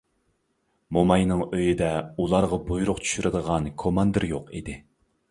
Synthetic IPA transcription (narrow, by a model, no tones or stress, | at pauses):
momɑjnɨŋøjid̪ɛulˠɑɾʁɑbujuɾʊqt͡ʃʰy̥ʃyɾʔɨd̪əʁɑnkʰomɑnd̪ɨɾjoqḭd̪ɪ